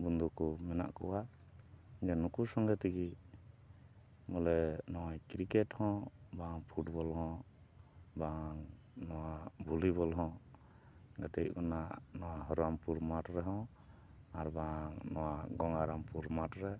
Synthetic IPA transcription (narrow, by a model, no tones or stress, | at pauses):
bund̪ukɔmɛna̰ʔkɔwa | id͡ʒɛnukusɔŋɡɛt̪iɡi | mɔlɛnɔwajkɾikɛʈhɔ̃baŋpʰuʈbɔlɦɔ̃ | baŋ | nɔwabʱuliβɔlɦɔ̃ | ɡat̪ɛt̚kɔnanɔwaɦɔɾampuɾmaʈɾɛɦɔ̃ | aɾbaŋnɔwaɡɔŋaɾampuɾmaʈɾɛ